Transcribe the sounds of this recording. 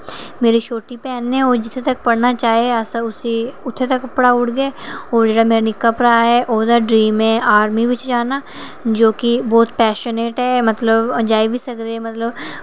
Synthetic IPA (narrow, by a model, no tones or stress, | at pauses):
meːɾiʃoːʈipɛːnɦɛ̃oːd͡ʒɪt̪ʰːet̪ɐk̚pɐɽnat͡ʃaːɦieasʊsiʊt̪ʰːet̪ɐkːɐpːɽaʊɽɡəeoːɾd͡ʒeːɽameːɾanɪkːəpɾaɦɛʔoːd̪əɖɾiːmẽʔaːɾmiʋɪt͡ʃd͡ʒaːnaː | d͡ʒoːkibɔːt̪pɛːʃoneːʈɦɛmɐt̪ləbd͡ʒaːibʱisɐkd̪emɐt̪ləb